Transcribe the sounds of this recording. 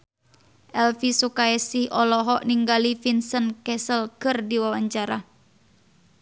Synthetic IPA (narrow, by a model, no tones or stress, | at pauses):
ʔɛlfisukaɛsɪhɔlɔɦɔʔniŋɡalifinsənkɛsəlkɨrdiwawaɲt͡ʃaɾa